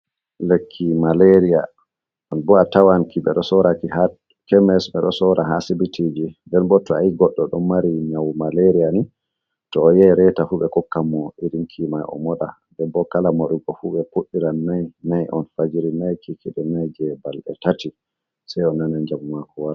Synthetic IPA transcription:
lekʰːimaleɾija | ɔnbɔatawankiɓɛ̰ɗɔsɔɾakiha | kɛmɛsɓɛɗɔsɔɾaɦasibitʰid͡ʒindɛnbɔtːɔaiɡɔɗːɔɗɔmːaɾiɲawmaleɾijani | tɔːjɛɾɛtafuɓɛkɔkːamːɔiɾinkʰimajɔ̰mɔɗa̰ | dɛbɔkalamoɗuɡɔfuɓɛpuɗːiɾanːajnajʔɔ̰nfad͡ʒiɾinajkʰikiɗɛnajd͡ʒɛbalɗɛ̰tati | sajɔnːanad͡ʒamumakɔwaɾ

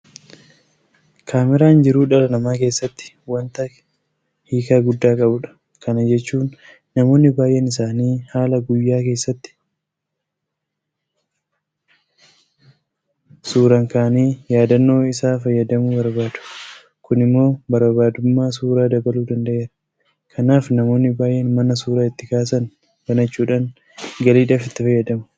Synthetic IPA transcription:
kʰaːmɪɾaːnd͡ʒɪɾuːᶑɐɾɐnɐmaːke̞ːsːɐt̪ːɪ̥ | wɐnt̪ɐ | hiːkaːɡʊd̪ːaːkʼɐbʊᶑɐ̥ | kɐnɐd͡ʒɛt͡ʃːuːnː | ɐmo̞ːnːɪbaːjʔɛnɪsaːniːhaːlɐɡʊjːaːke̞ːsːɐt̪ːɪ̥ | suːɾɐŋkaːniːjaːd̪ɐnːo̞ːɪsaːfɐjːɐd̪ɐmʊbɐɾbaːd̪ʊ̥ | kʊnɪmːo̞ːbɐɾbaːd̪ʊmːaːsuːɾaːd̪ɐbɐluːd̪ɐnd̪ɐʔeːɾɐ̥ | kʰɐnaːfnɐmo̞ːnːɪbaːjʔɛnmɐnɐsuːɾaːɪt̪ːɪkaːs̬ɐn | bɐnɐt͡ʃːuːᶑaːŋ | ɡɐliːᶑaːfɪt̪ːɪfɐjːɐd̪ɐmʊ̥

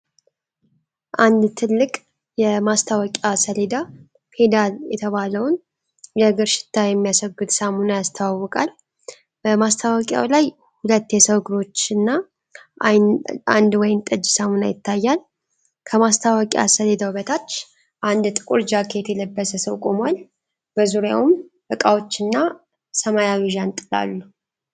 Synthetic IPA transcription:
ʔand̪t̪ʰɨlːɨkʼ | jɛmast̪ʰawɔkʼasəled̪a | fʰe̞d̪aljɛt̪ʰəβaləwn | jɛɡɨɾʃɪ̥t̪ʰːajɛmːijasəɡɨt̪samunajast̪ʰawawːɔkʼal | b̥əmast̪ʰawɔkʼja̰wlaj | hulət̪ːjɛsəwɡɨɾo̞t͡ʃːɨnːa | ʔjna̰nd̪wɔjɪnt̪ʼɨd͡ʒːsamuna̰jɪt̪ːajːal | kʰəmast̪ʰawəkʼij̰a̰səled̪əwbət̪ʰat͡ʃː | ʔand̪t̪ʼɨkʼuɾd͡ʒakʰe̞t̪jɛləbːəsəsəwkʼomal | b̥əzuɾja̰wum | bəkʼawo̞t͡ʃːɨnːa | səmajaβiʒant̪ʼɨla̰lːu

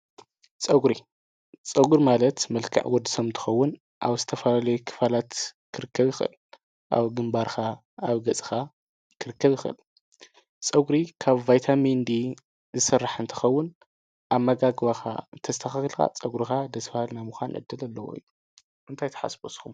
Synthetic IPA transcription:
t͡sʼɐɡɾi | t͡sʼɐɡuɾmalɐt̪mɐlkʰa̰ʕwɔd̪ːisomt̪ʰɨ̥xɐwːʊn | ʔa̰βzɨt̪ʰɐfɐlalɐjukʰɨ̥falat̪kʰɨɾɨkʰːɐβjɪxʔɨ̰l | ʔa̰βɡɨmbaɾxʰa | aβɡɐt͡sʼɨ̥xa | kʰɨɾɨkːɐβjɪxʔɨ̰l | t͡sʼɐɡɾikʰaβvajt̪ʰamind̪i | zɨsɨrːaħɨnt̪ʰɨ̥xɐwːʊn | ʔaβmɐɡaɡβaxa̰ɨt̪ʰɐst̪ʰɐxaxilxa̰t͡sʼɐɡɾixad̪ɐsfahɨlnajmuxʷanʕɨ̰d̪ːɨlɐlːɐwo̰ḭjːu | ʔɨnt̪ʰajt̪ʰɐ̥ħa̰sboskʰum

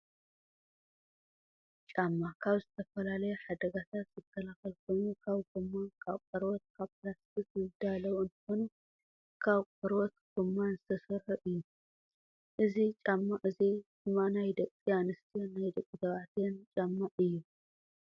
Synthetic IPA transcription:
t͡ʃʼamːakʰaβzɨt̪ʰɐfɐlalɐjuħad̪ɐɡat̪ʰat̪z̥ɨkʰːɐlaxɐlkʰo̞jnukʰaβɡɨmːakʰaβkʼɐɾwɔt̪̚kʰaβplast̪ʰisɨd̪alɐwɨnt̪ʰɐ̥xo̞nu | kʰaβkʼɐɾwɔt̪ɡ̥ɨmːanzɨt̪ʰɐsɨɾħuʔɨjːu | ʔɨzit͡ʃʼamːaʔɨzi | ɨmanajd̪ɐkʼːianɨst̪ʰijnːajd̪ɐkʼːit̪ʰɐβaʕt̪ʰjɛnt͡ʃʼamːaʔɨjːu

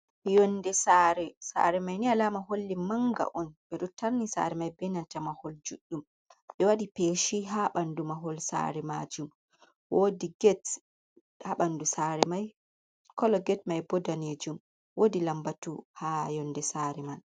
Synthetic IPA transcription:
jɔndɛsaɾɛsa̰ɾɛmajnialamaɦolːimaŋɡa̰ʔɔnɓɛɗutaɾnisa̰ɾɛmajbɛnatamahold͡ʒuɗːum | ɓɛwaɗipeːʃiɦaɓandumaɦɔlsa̰ɾɛmad͡ʒum | wodiɡɛt | haɓandusaɾɛmaj | kɔlɔɡɛtmajbɔdaned͡ʒum | wodilambatuhajɔndɛsaːɾɛman

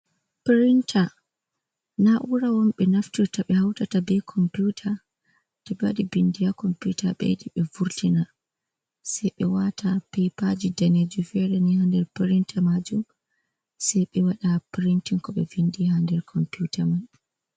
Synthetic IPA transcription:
pɾintʰa | naʔuɾawɔnɓɛnaftiɾtaɓɛhawtatabɛkʰɔmputʰa | tɛbadibindijakɔmputaɓɛ̰ɗiɓɛvuɾtina | sɛjɓɛwatapejpad͡ʒidaned͡ʒufɛɾɛnihandɛɾpiɾintʰamad͡ʒum | sɛjɓɛwaɗapɾintiŋkɔɓɛvindihandɛɾkʰɔmputaman

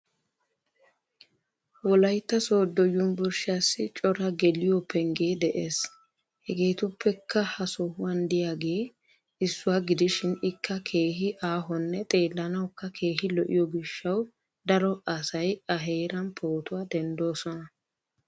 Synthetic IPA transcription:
wɔlɐjt̪ːɐsoːd̪ɔjʊnbɔɾʃaːsːɪt͡ʃʼɔɾɐɡɛlɪjɔpːɛŋɡe̞ːd̪ɛʔeːs | hɛɡe̞ːt̪ʊpʰːɛkʰːɐhɐsɔhʊwɐnd̪ɪjaːɡe̞ː | ɪsːʊwaːɡɪd̪ɪʃɪnɪkʰːɐkʰe̞ːɦɪʔaːɦɔnːɛt̪ʼe̞ːlːɐnɐwkːɐkʰe̞ːɦɪlɔʔɪ̰jɔɡɪʃːɐw | d̪ɐɾɔɐsɐjɐɦe̞ːɾɐnpʰo̞ːt̪ʊwaːd̪ɛnd̪o̞ːsɔnɐ

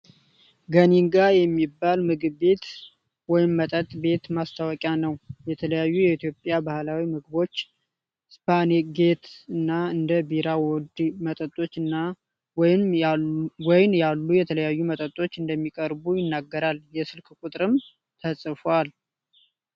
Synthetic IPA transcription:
ɡəniŋɡajɛmːibːalmɨɡɨβbe̞t̪ | wɔjɪmːət̪ʼət̪ʼbe̞t̪mast̪ʰawɔkʼjanəwjɛt̪ʰələjajːujɛit̪jo̞pʼjabahlawimɨɡɨbo̞t͡ʃː | spʰaneɡe̞t̪ɨnːaɨnd̪əbiɾawɔd̪mət̪ʼət̪ʼːo̞t͡ʃːɨnːa | wɔjɪn | wɔjɪnjalːujɛt̪ʰələjajːumət̪ʼət̪ʼo̞t͡ʃːɨnd̪əmːikʼəɾbujɪnːaɡːəɾaljɛsɨlkʰkʷʼut̪ʼɾɨm | t̪ʰəsʼfal

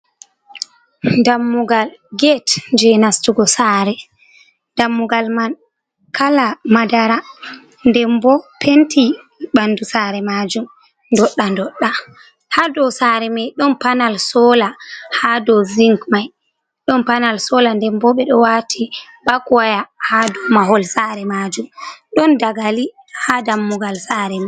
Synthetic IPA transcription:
ndamːuɡalɡɛtd͡ʒɛnastuɡɔsaːɾɛ | ndamːuɡalman | kʰalamadaɾa | ndɛmbɔpʰentʰi | ɓandusaɾɛmaːd͡ʒum | ndɔɗːandɔɗːa | hadɔsaːɾɛmajɗɔnpanalsɔlahadɔziŋkmaj | ɗɔnpanalsɔlandɛmbɔɓɛɗɔwatʰi | bakwajahadɔmaɦɔlsaɾɛmad͡ʒumɗɔndaɡali | hadamːuɡalsaɾɛma

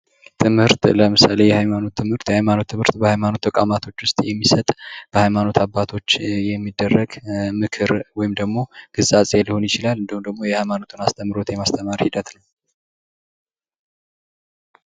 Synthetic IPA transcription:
t̪ʰɨmhɨɾt̪ləmɨsale̞jɛhajmano̞t̪ʰːɨmhɨɾt̪jɛhajmano̞t̪ʰːɨmhɨɾt̪bəhajmano̞t̪ːəkʼamat̪ʰo̞t͡ʃːwʊst̪ʼjɛmːisət̪ʼb̥əhajmano̞t̪ʰabːat̪ʰo̞t͡ʃːjɛmːid̪ːərːəɡmɨkʰɨɾwɔjɪmd̪əɡmo̞ɡ̥ɨzʼat͡sʼeliho̞njɪt͡ʃɪlalɨnd̪ihumd̪əɡmojɛhajmano̞t̪ʰunast̪ʰəmːɾo̞t̪jɛmast̪ʰəmaɾhid̪ət̪nəw

